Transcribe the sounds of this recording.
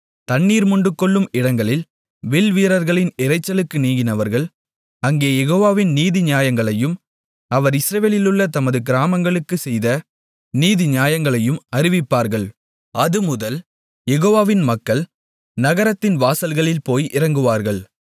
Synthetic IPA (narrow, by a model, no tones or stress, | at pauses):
t̪ɐɳːiːɾmʊɳɖɯkːɔɭːɯmɪɽɐŋɡɐɭɪl | ʋɪlʋiːɾɐɾɣɐɭɪnɪɾɐɪt͡ʃːɐlɯkːɯniːɣɪnɐʋɐɾɣɐɭ | ɐŋɡeːjɛɣoːʋaːʋɪnniːðɪɲɪjaːjɐŋɡɐɭɐjɯm | ɐʋɐɾɪsɾɐʋeːlɪlɯɭːɐt̪ɐmɐðɯɡɪɾaːmɐŋɡɐɭɯkːɯsɛjðɐ | niːðɪɲjaːjɐŋɡɐɭɐjɯmɐɾɪʋɪpːaːɾɣɐɭ | ɐðɯmʊðɐl | jɛɣoːʋaːʋɪnmɐkːɐɭ | nɐɣɐɾɐt̪ːɪnʋaːsɐlɣɐɭɪlpoːjʔɪɾɐŋɡɯʋaːɾɣɐɭ